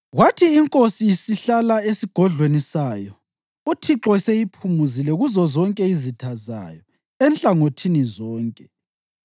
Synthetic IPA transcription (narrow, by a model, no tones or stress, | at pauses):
ɣwatʰiːŋkʼosijisiɬalaesiɡ̥ʱɔɮwenisaːjɔ | utʰiǁɔsejipʰumuzilɛɣuzɔzɔŋkʼɛizitʰaza̰jɔ | ɛnɬʼaŋotʰinizɔːŋkʼɛ